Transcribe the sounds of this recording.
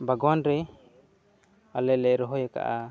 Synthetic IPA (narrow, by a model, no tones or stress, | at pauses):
baɡɔwanɾɛ | alɛlɛɾɔɦɔjaka̰ʔa